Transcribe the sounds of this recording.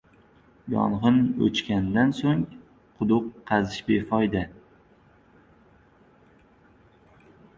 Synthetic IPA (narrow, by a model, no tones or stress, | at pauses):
jɒ̰nʁɨnɵ̰t͡ʃkʲand̪ansoŋ | qʰʊd̪ʊqːɑzɪʃbefɒjd̪a